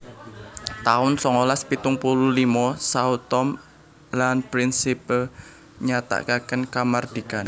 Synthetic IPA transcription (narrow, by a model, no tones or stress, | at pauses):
t̪aʊnsɔŋolaspit̪ʊŋpululimɔsaut̪ɔm | lanpɾinsipəl | ɲat̪a̰kakənkamard̪̥ikan